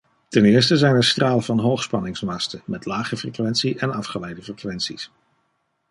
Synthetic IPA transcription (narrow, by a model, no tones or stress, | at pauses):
tɛnɪːɹstəzɛjnəɹstraːləvɑnɦowχspɑnɪŋsmɑstəmɛtlaːχəfrəkʋɛntsiʔɛnɑfχəlɛjdəfrəkʋɛntsis